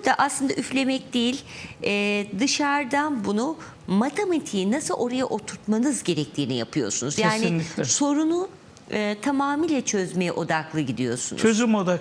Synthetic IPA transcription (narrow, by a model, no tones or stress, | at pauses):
d̪aʔaslˠɯnd̪aʔyflʲe̞mɛc̚d̪ejilʲɛːd̪ɯʃaɾd̪anbunu | mat̪ʰemat̪ʰiːinasɯlˠʔo̞ɾajaʔot̪ʰuɾt̪manɯzɟe̞ɾɛc̚t̪ʰiːnijapʰɯjo̞̰sunuzjaːnɪso̞ɾunu | ɯt̪ʰamaːmiːlʲɛt͡ʃʰøzmejɛʔo̞d̪aklˠɯɟid̪ijo̞̰sunuøzzymod̪a